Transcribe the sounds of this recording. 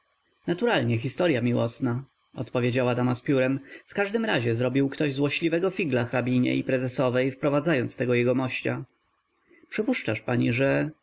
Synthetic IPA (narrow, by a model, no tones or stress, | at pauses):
nat̪uɾalɲɛx̬ʲist̪ɔɾʲjamʲiwɔsna | ɔ̰t̪pɔvʲjed͡ʑawad̪amaspʲjuɾɛmfkaʐd̪ɘmɾaʑɛzɾɔbʲiwkt̪ɔʑzwɔɕlʲivɛɡɔfʲiɡlaxɾabʲiɲɛ̰ipɾɛzɛsɔvɛjfpɾɔvad̪zajɔnt̪st̪ɛɡɔjɛɡɔmɔɕt͡ɕa̰ | pʂɘpuʂt͡ʂaʂpaɲiʐɛ